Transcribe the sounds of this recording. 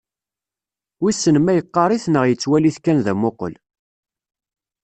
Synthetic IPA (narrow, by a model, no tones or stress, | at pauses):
wisːənmæjəqːɑɾˤiθnəʁjət͡sːwæliθkænðæmoqə̰l